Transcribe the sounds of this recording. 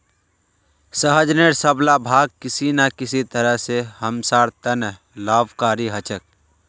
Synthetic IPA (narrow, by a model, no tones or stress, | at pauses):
səɦəd͡ʒneɾsəblabʱaːɡ̚kɪsinakɪsit̪əɾəɦsehɐmsaːɾt̪ənəɦ | laːbkaːɾiɦət͡ʃək̚